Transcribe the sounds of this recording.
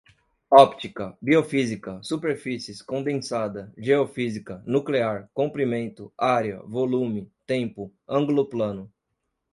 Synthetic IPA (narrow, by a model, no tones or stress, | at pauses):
ɔpt͡ʃikɐbiofizikɐsupeɾfisiɪskõnd̪ẽsad̪ɐʒeofizikɐnukleaɾkõmpɾimẽnt̪ʊaɾjɐ̰volũmɪt̪ẽmpʊ | ɐ̃ŋɡuloplɐ̃nʊ